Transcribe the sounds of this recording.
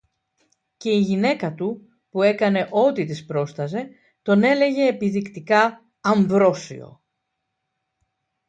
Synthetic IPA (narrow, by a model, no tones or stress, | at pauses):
ce̞iʝine̞kɐt̪u | pue̞kɐne̞ʔo̞t̪it̪ispɾo̞st̪ɐze̞ | t̪o̞ne̞le̞ʝe̞ːpiðikt̪ikɐː | ɱvɾo̞sḭo̞̰